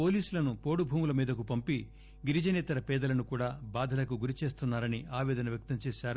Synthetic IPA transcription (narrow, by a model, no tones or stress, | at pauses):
po̞ːliːsulɐnupo̞ːɽubʱuːmulɐmiːd̪ɐkupɐmpi | ɡiɾid͡ʒɐnɛːt̪ɐɾɐpɛːd̪ɐlɐnukuːɽaːbaːd̪ʱɐlɐkuɡuɾit͡ʃe̞ːst̪unːaːɾɐniaːʋɛːd̪ɐnɐʋjɐk̚t̪ɐmt͡ʃeːʃaːɾu